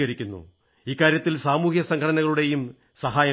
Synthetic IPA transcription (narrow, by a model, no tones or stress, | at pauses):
ɣɐɾikʲːunːṵ | iːkːaːɾjɐt̪ːilsaːmuːhjɐsɐŋkʰɐɽɐnɐɣɐɭuɽe̞jum | sɐɦaːjɐ